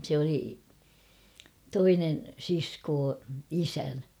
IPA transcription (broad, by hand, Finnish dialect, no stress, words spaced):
sĕ oli toinen siskoː isæn